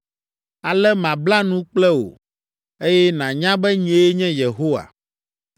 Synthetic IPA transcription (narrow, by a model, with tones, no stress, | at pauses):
a˨lɛ˦mã˨bla˦nũ˦k͡plɛ˦wo̰˨ | e˦jɛ˦nã˨ɲã˦bɛ˦ɲĩ˨˦e˨˦e˦ɲɛ̃˦je˨ɦo˦wa̰˨